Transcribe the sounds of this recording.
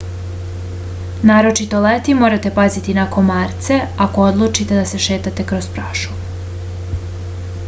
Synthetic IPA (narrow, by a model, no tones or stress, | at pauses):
naːɾo̞t͡ʃit̪o̞let̪imo̞ɾat̪e̞pazit̪inako̞nmaːɾt̪se̞ako̞od̪lˠuːt͡ʃit̪e̞d̪ase̞ʃeːt̪at̪e̞kɾo̞zpɾaːʃu̥